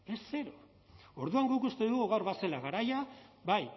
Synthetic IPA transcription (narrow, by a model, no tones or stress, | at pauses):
e̞sːe̞ɾo | o̞ɾðuaŋɡukust̪e̞ðuɣuɣawɾβase̞laɣaɾajabaj